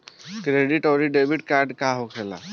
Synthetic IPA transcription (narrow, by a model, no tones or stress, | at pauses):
kɾeɖiʈɔɾiɖebiʈ̚kaɾɖkaɦokʰela̰